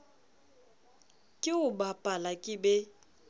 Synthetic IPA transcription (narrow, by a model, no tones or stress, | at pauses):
kʼɪʊbapʼalakʼɪbɛ